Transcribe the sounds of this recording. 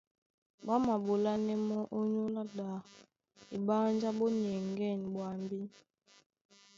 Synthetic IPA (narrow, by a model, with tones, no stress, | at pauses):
ɓa˦ma˨bo˨la˦nɛ˦mɔ˦ʔo˦ɲo˦la˦da˨ | i˨ba˦n˦d͡ʒa˦ɓɔ˦n˨ɛ˨ŋɡɛ˦˨n˨ɓwa˨mbi˦